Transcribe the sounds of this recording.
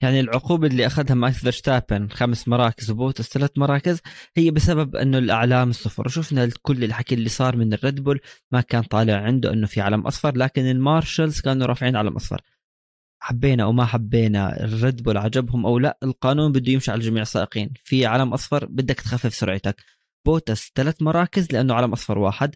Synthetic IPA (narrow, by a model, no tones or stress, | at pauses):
jaʕnilʕʊquːbalːiʔaxad̪hamʔakθɑɾˤʃt̪aːpɪnxamsmɑɾˤɑːkɪzwboːt̪ɪst̪alat̪mɑɾˤɑːkɪzhɪjːabɪsababʔɪ̰nːʊlʔa̰ʕlaːmɨsˤːʊfɑ̰ɾˤwʃʊfnalkʊlːɪlħakilːisˤɑːɾˤmɪnɪrːɪd̪bʊlmakaːnt̪ˤɑːlɪʕʕɪnd̪ṵʔɪnːʊfiʕa̰lamʔɑ̰sˤfɑɾˤlaːkɪnɪlmɑːɾˤʃalzkaːnuɾˤɑːfʕiːnʕala̰mʔɑ̰sˤfɑ̰ɾˤ | ħabːeːnaʔa̰wmaħabːeːna̰ɪ̰rːɪd̪bʊlʕad͡ʒabhʊmʔawla̰ʔɪlqɑːnuːnbɪd̪ːujɪmʃiʕalad͡ʒamiːʕɪsˤːaːʔɪqiːnfiʕaːlamʔɑsˤfɑɾˤbɪd̪ːakt̪xafːɪfsʊɾʕɪt̪ak | b̥oːt̪ast̪alat̪mɑɾˤɑːkɪzlɪʔanːʊʕalamʔɑsˤfɑɾˤwa̰ːħɪd̪